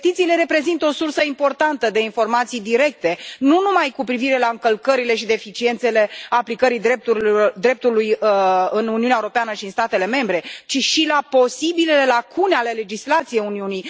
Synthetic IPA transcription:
t̪it̪siːle̞ɾe̞pɾe̞zint̪əo̞sursəimpo̞rt̪ant̪əd̪e̞info̞rmat̪sijd̪iɾe̞k̚t̪e̞nunumajkupɾiviɾe̞laɨŋkəlkəɾile̞ʃid̪e̞fit͡ʃie̞nt̪se̞le̞aplikəɾijd̪ɾep̚t̪uɾd̪ɾe̞p̚t̪ulujɨnuniuneaeuɾopeanəʃiɨnst̪at̪e̞le̞me̞mbɾe̞t͡ʃiʃilapo̞sibilele̞lakʰuneale̞le̞d͡ʒislat̪sijejuniunij

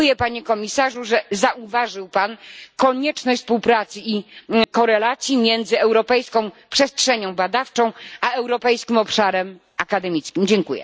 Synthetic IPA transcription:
ujɛpaɲɛkɔmʲisaʐuʐɛzaʔuvaʐɘwpankɔɲɛt͡ʂnɔɕt͡ɕt̪fspuwpɾat̪sɘikɔɾɛlat̪sʲjimʲjɛnd̪zɘɛwɾɔpɛjskɔ̃w̃pʂɛstʂɛɲɔ̃w̃bad̪aft͡ʂɔ̃w̃ʔaɛwɾɔpɛjskʲimɔpʂaɾɛm | akad̪ɛmʲit̪skʲimd͡ʑɛŋkujɛ̰

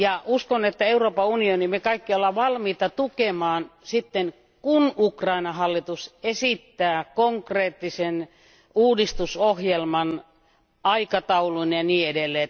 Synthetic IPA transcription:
jɑʔuskonet̪ːæeuroːpɑunionimekɑikːiolːɑʋɑlmiːt̪ɑt̪ukemɑːnsit̪ːen | kunukrɑinɑhɑlːit̪usesit̪ːæːkoŋkreːt̪ːisen | uːdist̪usohjelmɑn | ɑikɑt̪ɑuluinjɑniːedelːe

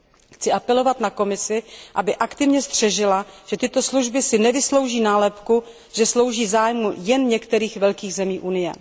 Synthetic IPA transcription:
xt͡sɪʔapɛlo̞vat̪nako̞mɪsɪʔabɪʔakt̪ɪvɲɛst̪r̝̥ɛʒɪlaʒ̥ɛt̪ɪt̪o̞sluʒbɪsɪnɛvɪslo̞wʒiːnaːlɛpku | ʒ̥ɛslo̞wʒiːzaːjmujɛnɲɛkt̪ɛɾiːxvɛlkiːɣzɛmiːʔunɪjɛ̰

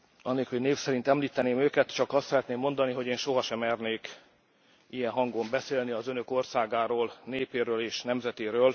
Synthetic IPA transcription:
ɒnːeːkhoɟneːfsɛɾint̪ɛmliːt̪ɛneːmøːkɛt̪t͡ʃɒkɒst̪sɛɾɛt̪neːmːo̞nd̪ɒniɦo̞ɟeːnʃo̞ɦɒʃɛmɛrneːk | ijɛnɦɒŋɡo̞mbɛseːlniɒzønøko̞rsaːɡaːɾoːlneːpeːɾøːleːʃnɛmzɛt̪eːɾøːl

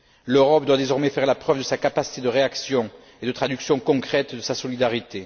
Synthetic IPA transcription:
løʁɔp̚d̪wad̪ezɔʁmɛfɛʁlapχœvd̪əsakapasi̥t̪ed̪əʁeaksjɔ̃ | ed̪ət̪χad̪yksjɔ̃kɔ̃kχɛt̪d̪əsasɔlid̪aʁit̪e

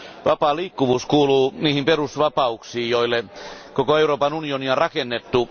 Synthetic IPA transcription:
ʋɑpɑːliːkːuʋuːskuːluːniːhimperusʋɑpɑuksiːjjoilːekokoeuroːpɑnunioniɑrɑkenːet̪ːu

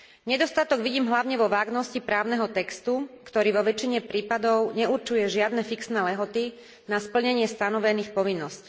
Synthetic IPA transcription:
ɲɛd̪ɔst̪at̪ɔɡʋiɟiːmɦlaʊɲɛʋɔʋaːɡnɔscipɾaːʊnɛɦɔt̪ɛkst̪ukt̪ɔɾiːʋɔʋɛt͡ʃiɲɛpɾiːpad̪ɔʊɲɛuɾt͡ʃujɛʒɪad̪nɛfiksnɛːlɛɦɔt̪i | naspl̩ɲɛɲɪɛst̪anɔʋɛniːxpɔʋinːɔsc

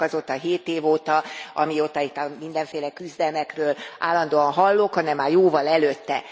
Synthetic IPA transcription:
ɒzot̪ːɒɦeːt̪eːvoːt̪ɒɒmiot̪ːɒit̪ːɒmind̪ɛɱfeːlɛkyzd̪ɛlmɛkrøːlʔaːlːɒnd̪oːɒnɦɒlːokhɒnɛmːaːrjoːvɒlɛløt̪ːɛ̰

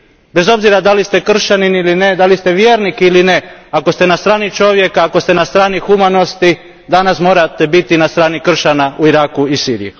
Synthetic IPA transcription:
be̞zo̞bziɾad̪alist̪e̞kr̩ʃaninilined̪alist̪e̞ʋjeːɾnikiiline̞akost̪e̞nast̪ɾaːnit͡ʃo̞ʋje̞kaːko̞st̪e̞nast̪ɾaːnixumano̞st̪i | d̪anasmo̞ːɾat̪e̞bit̪inast̪ɾaːnikr̩ʃanauiɾaːkuisiːɾḭji

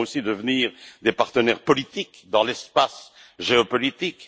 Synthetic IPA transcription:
osid̪əvniːʁd̪epaʁt̪ənɛʁpɔlit̪ikd̪ɑ̃lɛspas | ʒeɔpɔlit̪ik

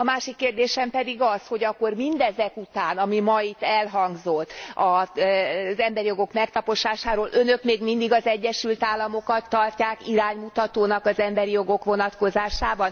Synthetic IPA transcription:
ɒmaːʃikːeːrd̪eːʃɛmpɛd̪iɡɒsho̞ɟɒkːo̞rmind̪ɛzɛkut̪aːnɒmimɒit̪ːɛlɦɒŋɡzo̞t̪ːɒ | zɛmbɛɾijo̞ɡo̞kmɛkt̪ɒpo̞ʃaːʃaːɾoːlʔø̞nø̞kmeːɡmind̪iɡɒzɛɟːɛʃylt̪aːlːɒmo̞kɒt̪ːɒrcaːkiɾaːɲmut̪ɒt̪oːnɒkɒzɛmbɛɾijo̞ɡo̞kʋo̞nɒt̪ko̞zaːʃaːbɒn

